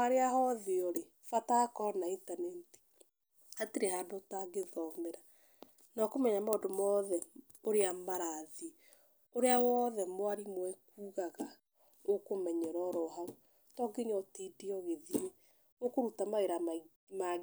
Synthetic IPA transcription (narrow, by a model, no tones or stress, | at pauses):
aɾeahɔðeɔɾe | fatakɔɾɔnaintanɛti̥ | hatiɾehadotaɡeðɔmɛɾa | nakomɛɲamaodomɔðɛ | oɾeamaɾaði | oɾeawɔðɛmwaɾimwɛkuːɣaɣa | okomɛɲɛɾɔɾɔɦaɣo | tɔɡeɲɔtidiɔɣeðie | okoɾutamaeɾam | ma